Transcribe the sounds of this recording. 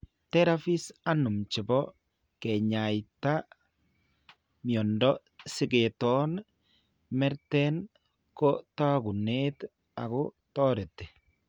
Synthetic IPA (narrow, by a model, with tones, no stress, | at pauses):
tɛ˦ɾa˦fi˦sa˦nʊ˨mt͡ʃɪ˨bɔ˦ | kɛ˨ɲa˨jta˦ | mjɔ˨ndɔ | sɪ˦ɡe˨tɔ˦n | mɛ˦ɾtɛ˦n | kɔ˦ta˦ɡu˨ne˦t | a̰˨ɡʊ˦ | tɔ˦ɾe˨tɛ˨